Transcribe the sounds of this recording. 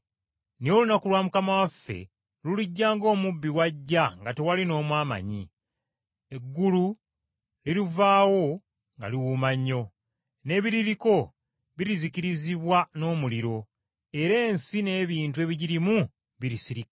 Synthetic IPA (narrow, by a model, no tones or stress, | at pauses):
nijo̞lunakulwamukamawafːe̞̰ | luliɟːaːŋɡo̞ːmubːiwaɟːaŋɡate̞walino̞ːmwaːma̰ɲi | eɡːulu | lilivaːwo̞ | ŋɡa̰liwumaɲːo̞ | ne̞ːβiɾiɾiko̞ | βiɾiziciɾiziβwano̞ːmuliɾo̞ | e̞ɾe̞ːnsine̞ːβiːnt̬ue̞ːβiɟiɾimu | βiɾisiɾik